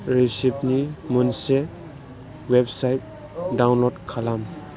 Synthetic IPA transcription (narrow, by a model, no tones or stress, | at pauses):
ɾesip̚nimunse | websajt̚ | dawnlɔdkʰalam